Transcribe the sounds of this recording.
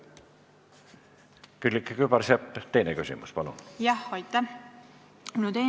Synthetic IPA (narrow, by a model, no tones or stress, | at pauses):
kylʲːikːekybɑɾsɑpːˑt̪e̞jnekysʲḭmuspɑlṵnjɑhɑjt̪ːˑɑ | munut̪e